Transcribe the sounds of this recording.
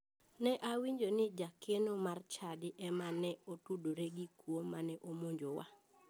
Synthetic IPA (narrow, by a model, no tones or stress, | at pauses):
nɛʔawiɲd͡ʒonɪd͡ʒakenomart͡ʃadɪʔɛmanɛotudoɾeɡikwomanɛʔomoɲd͡ʒowa̰